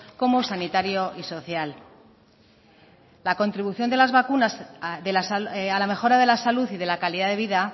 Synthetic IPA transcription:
ko̞mo̞sanit̪aɾjo̞ʔiso̞θjal | lːako̞nt̪ɾiβuθjo̞nd̪elazβakunasðelasalame̞xo̞ɾað̞e̞lasaluθiðe̞lakaliðaðe̞β̞iða

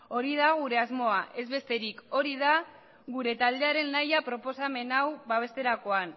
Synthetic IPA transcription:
o̞ɾið̞aɣuɾe̞azmo̞aʔe̞zβe̞st̪eɾiko̞ɾiða | ɣuɾe̞t̪ald̪e̞aɾe̞nːajapɾo̞po̞same̞nawβaβ̞e̞st̪e̞ɾako̞an

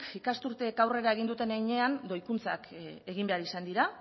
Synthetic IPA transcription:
ikast̪uɾt̪e̞ːkawre̞ɾae̞ɣind̪ut̪e̞najɲe̞and̪o̞jkunt͡sa̰ke̞ɣ̞imbe̞aɾisand̪iɾa

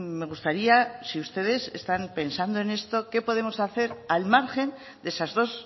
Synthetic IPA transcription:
me̞ɣ̞ust̪aɾiasiust̪e̞ð̞e̞se̞̰st̪ampe̞nsand̪o̞ene̞st̪o̞ke̞po̞ðe̞mo̞saθe̞ɾalmaɾxe̞n | d̪esazðo̞s

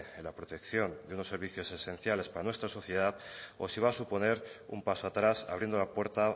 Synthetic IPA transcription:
elapɾo̞t̪e̞kθjo̞nd̪eunosːe̞ɾβiθjo̞se̞sẽ̞n̟θjale̞spaɾanwe̞st̪ɾaso̞θje̞ð̞aðo̞siβ̞aːsupo̞ne̞ɾṵmpaso̞at̪ɾasa̰β̞ɾje̞nd̪olapwe̞ɾt̪a

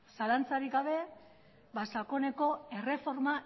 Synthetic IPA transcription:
salant͡saɾikɡaβ̞e̞ | basako̞ne̞ko̞e̞re̞fo̞ɾma

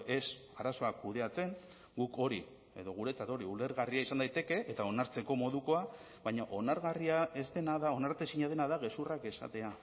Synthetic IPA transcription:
e̞saɾaso̞akuðe̞at͡se̞ŋ | ɡuko̞ɾi | e̞ðo̞ɣ̞uɾe̞t͡sat̪o̞ɾiule̞ɾɣariaisand̪ajt̪e̞ke̞ʔet̪ao̞naɾt͡se̞ko̞mo̞ðuko̞a | βaɲaʔo̞naɾɣariae̞zd̪e̞naðao̞naɾt̪esiɲað̞e̞naðaɣe̞surake̞sa̰t̪e̞a

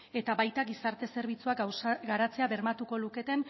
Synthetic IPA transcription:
e̞t̪aβajt̪aɣisaɾt̪e̞se̞ɾβ̞it͡suasɡaɾat͡se̞aβe̞ɾmat̪uko̞luke̞t̪e̞n

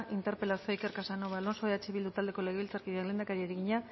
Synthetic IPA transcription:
ʔint̪e̞ɾpe̞lasioike̞ɾkasanoβalo̞nsoeat͡ʃeβild̪ut̪ald̪e̞ko̞leɣe̞βilt͡saɾkiðeakle̞ːnd̪akaɾieɾeɣiɲa

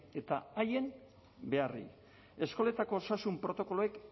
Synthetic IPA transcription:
e̞t̪aaje̞n | be̞arḭ | e̞sko̞le̞t̪ako̞ːsasumpɾo̞t̪o̞ko̞loek

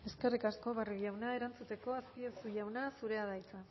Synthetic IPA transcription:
e̞ske̞rikasko̞βaruʝawnae̞ɾant͡sut̪e̞ko̞aspiosujawnasuɾe̞að̞ajt͡sa

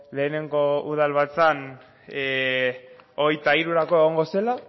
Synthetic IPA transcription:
le̞ːne̞ŋɡo̞uðalβat͡san | o̞ɣ̞ejt̪aiɾuɾako̞eɣ̞oŋɡo̞se̞la

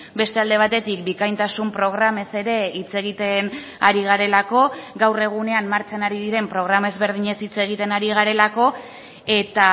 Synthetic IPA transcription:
be̞st̪e̞ald̪e̞β̞at̪e̞t̪ik̚bikajnt̪asumpɾo̞ɣ̞ɾame̞se̞ɾe̞it͡se̞ɣ̞it̪e̞n | aɾiɣaɾe̞lako̞ɡawre̞ɣ̞une̞ammaɾt͡ʃanaɾiðiɾe̞mpɾo̞ɣ̞ɾamaezβe̞ɾð̞iɲe̞sit͡se̞ɣ̞it̪e̞naɾiɣ̞aɾe̞lako̞ | e̞t̪a

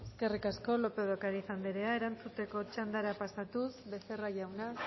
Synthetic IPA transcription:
eske̞rikasko̞lo̞pe̞ðokaɾiθand̪eɾe̞ae̞ɾant͡sut̪e̞ko̞t͡ʃand̪aɾapasat̪usβe̞se̞raʝawna

